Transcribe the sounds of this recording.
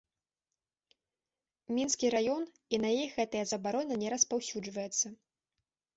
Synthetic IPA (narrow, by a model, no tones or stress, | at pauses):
mʲinskʲiɾajɔn | inɐjijɣɛt̪ɐjɐzɐbaɾɔnʲɐnʲɛɾɐspawsʲud͡ʐvɐjɛt̪sːɐ